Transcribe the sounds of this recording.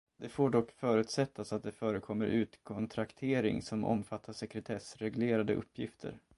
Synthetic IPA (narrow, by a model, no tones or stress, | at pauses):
d̪̥ɛfoːɖɔkːfœːɾʉ̟ːt̪sɛt̪ʰːasat̪̚d̪ɛfœːɾəkʰɔmːəɾʔʉ̟ːt̪kʰɔnt̪ʰɾakt̪ʰeːɾɪ̰ŋsɔmʔɔ̰mfat̪ːaʂɛkɾɛt̪ʰɛsɾɛɡleːɾad̪əʔɵ̰pʰːjɪft̪ʰə̰ɾ